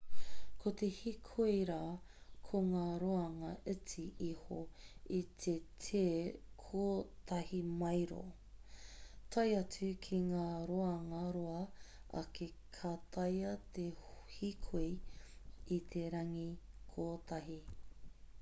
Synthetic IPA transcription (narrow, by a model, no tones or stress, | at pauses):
kʰot̪ehikʰuiɾaːkʰoŋaːɾoɐŋɐʔɨt͡siihoit̪ʰetʰeːkʰoːtɐhimɐjɾo̰ | t̪ʰɐjɐt͡sʉkʰiŋaːɾoɐŋɐɾoɐɐ̰kʰekʰat̪ʰɐjɐt̪ʰehikʰu | it̪ʰeɾɐŋikʰoːtʰɐɦi